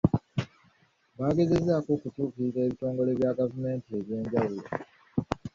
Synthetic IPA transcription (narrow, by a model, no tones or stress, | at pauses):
βaːɡe̞ze̞zaːkoːkutuːkiize̞ːβito̞ːŋɡo̞le̞βjaɡavume̞ːntie̞βje̞ːɲɟawulo